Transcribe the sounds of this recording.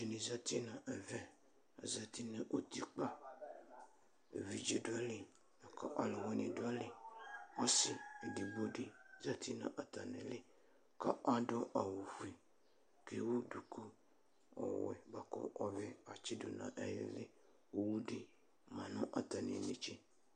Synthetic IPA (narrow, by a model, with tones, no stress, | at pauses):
d͡ʒe˨nĩ˨za˦t̪i˦nã˨ʔɛ˨vɛ˦ | a˨za˨t̪i˦ne˨ʔo˦t̪i˨k͡pa˦ | e˨vi˨d͡ʒe˨du˦a˦li˨ | na˨ka̰˦ʔa˨lo˨wɛ˦nĩ˨du˦a˦li˦ɔ˦si˨e˨di˨bo˦di˦za˦t̪ʰi˦nã̰˨ʔa˨t̪a˨nẽ˨lɪ˦ | ka˦ʔa˦do˦ʔa˨wo˨fi˨ | ke˦wo˦du˨ku˦ | ɔ̰˨wɛ̰˨ɡ͡ba˨kɔ̰˦ʔɔ˦ve˦a˨t͡ʃi˦do˨nã̰˨ʔɛ˦jḛ˨le˦ | o˦wu˦di˦ | mã˨nɔ̃˦ʔa˨t̪a˨nḭ̃˨ne˨t͡ʃi˦